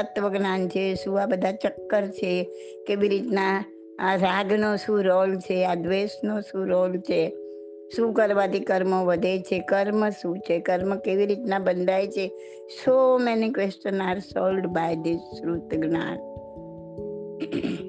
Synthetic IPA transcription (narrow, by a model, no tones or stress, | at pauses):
ət̪ʋəɡnant͡ʃʰesuabəd̪ʱat͡ʃəkːəɾt͡ʃʰe | keʋiɾit̪na | aɾaɡnosũɾolt͡ʃʰead̪ʋesnosũɾolt͡ʃʰe | sũkəɾʋad̪ikəɾmõʋəd̪ʱet͡ʃʰekəɾməsũt͡ʃʰekəɾmkeʋiɾit̪nabənd̪ʱajt͡ʃʰe | somɛnikʋesʈənaɾsolɖbajd̪ɪsɾut̪ɡna̰n